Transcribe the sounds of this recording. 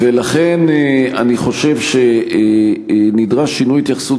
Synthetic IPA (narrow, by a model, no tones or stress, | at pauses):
velaχeneaniχo̞ʃe̞vʃe | nidʁaʃːinujit̪jaχsu